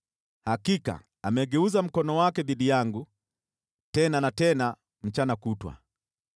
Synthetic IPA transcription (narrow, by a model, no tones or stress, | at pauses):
hakika̰ | amɛɡɛuzam̩kɔnɔwakɛðiɗijaŋɡu | tɛnanatɛna | m̩t͡ʃanakutwa̰